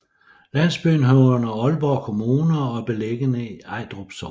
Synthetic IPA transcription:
læn̰sb̥yːnɦɒʊnɐɒ̽lb̥ɒ̰kʰo̝muːnɐɒ̽b̥e̝leɡ̥ənəiɑ̈ɪd̥ʁob̥sɒ

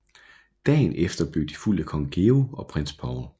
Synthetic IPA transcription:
d̥ɛ̰ːnefd̥ɐb̥ø̰ːd̥iful̰̥əkʰɒ̽ŋɡ̥e̝oɒ̽pʰʁen̰sb̥ʰɑʊ

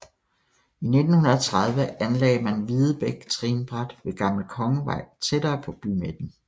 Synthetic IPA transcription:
ine̝d̥n̩hunɐðˠt͡sʰʁɑ̈ð̞ˠʋəænlɛ̰ːɪmænʋiðˠəb̥eɡ̥t͡sʰʁiːnb̥ʁɑd̥ʋe̝ɡ̥ɑ̈mləkʰɒ̽ŋəʋɑ̈ɪ̰t͡sʰed̥ɐːpʰɒ̽b̥ymed̥n̩

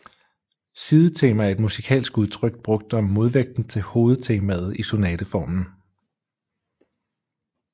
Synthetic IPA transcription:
siːðˠət͡sʰe̝̰ːmææɐe̝d̥musikʰɛ̰ːlsɡ̥uð̞ˠt͡sʰʁœɡ̥d̥̚b̥ʁɔ̽ɡ̥̚d̥ɒ̽mːo̝ðˠʋeɡ̥̚d̥n̩t͡sʰe̝ho̝ːð̞̩ˠt͡sʰe̝mæð̩ˠiso̝nɛːd̥əfɒ̰ːmn̩

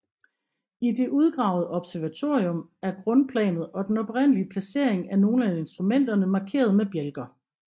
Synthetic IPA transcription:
id̥e̝ʔuð̞ˠɡ̥ʁɑ̈ʊð̩ˠəʔɒ̽b̥sæɐʋæt͡sʰo̝̰ːiɔ̽mæɐɡ̥ʁɔ̽npʰlɛ̰ːnð̞̩ˠɒ̽d̥enɒ̽b̥ʁen̰əliəpʰlæse̝̰ɐ̰eŋæɐno̝ːn̩æe̝nsd̥ʁumen̰d̥ɐnəmɑ̈kʰe̝̰ːɐð̞ˠmeb̥jelɡ̥ɐ

